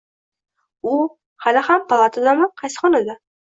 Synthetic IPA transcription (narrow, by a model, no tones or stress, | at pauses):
ʊ | halɪhampʰalˠat̪ʰɪd̪amanqʰɑjsɪ̥χɒnad̪a